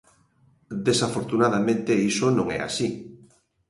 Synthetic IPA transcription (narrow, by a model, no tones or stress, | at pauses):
d̪esafoɾt̪unað̞amẽnt̪eisonõŋɛ̰a̰si